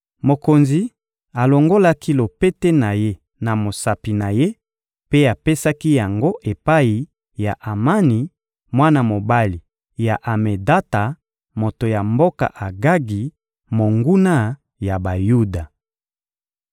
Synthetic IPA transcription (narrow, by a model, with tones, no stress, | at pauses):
mo˨ko˨nzi˨ | a˨lo˨ŋɡo˦la˦ki˦lo˨pe˦te˦na˨je˦ | na˨mo˨sa˨pi˨na˨je˦ | pe˦a˨pe˦sa˦ki˦ja˨ŋɡo˦ʔe˨pa˦i˨ | ja˨ʔa˨ma˦ni˨ | mwa˦na˦mo˨ba˦li˨ | ja˨ʔa˨me˨da˦ta˨ | mo˨to˨ja˨mbo˦ka̰˨ʔa˨ɡa˦ɡi˨ | mo˨ŋɡu˦na˦ | ja˨ba˨ju˦da˨